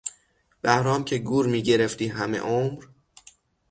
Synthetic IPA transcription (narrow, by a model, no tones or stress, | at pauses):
b̥æhɾɒːmcʰe̞ɡuːɾmiːɟe̞ɾeft̪iːɦæme̞̰ʔomɾ